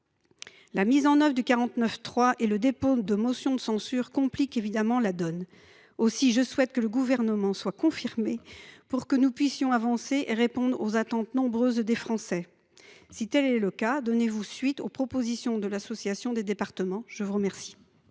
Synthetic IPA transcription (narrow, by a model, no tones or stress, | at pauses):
lamizɑ̃nœvʁd̪ykaʁɑ̃t̪nœft̪χwaʔeləd̪epod̪əmɔsjɔ̃d̪əsɑ̃syʁkɔ̃plikevid̪amɑ̃lad̪ɔn | osiʒəswɛt̪̚kələɡuvɛʁnəmɑ̃swakɔ̃fiʁmepuʁkənupɥisjɔ̃avɑ̃seʔeʁepɔ̃d̪ʁozat̪ɑ̃t̪nɔ̃bʁøzd̪efχɑ̃sɛ | sit̪ɛlɛləkad̪ɔnevusɥit̪o̰pχɔpozisjɔ̃d̪əlasɔsjasjɔ̃d̪ed̪epaʁt̪əmɑ̃ʒ̥əvuʁəmɛʁsi̥